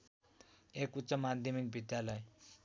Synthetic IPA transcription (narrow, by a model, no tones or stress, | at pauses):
ekut̪ːsʌmad̪ʱjʌmik̚bʱid̪jalʌj